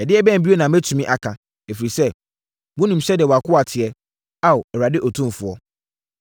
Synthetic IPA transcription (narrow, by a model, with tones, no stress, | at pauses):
ɛ˨dɪ˦ɛ˦bɛ̃˦˨m̩˨bi˦o˦nã˨mæ˦tʰũ˨mĩ˦ʔa˨kʰã˨ | e˨fi˨ɾi˨sɛ˦˨ | mʊ̃˦nũ˨m̩˦ɕɛ˦dɪ˨ɛ˨wa˨kʊ˦a˨tʰɪ˨ɛ˦ | a˦˨wɛ˨ɾa˨dɪ˦ʔɔ˨tʰũ˦m˨fʊ˨ɔ˦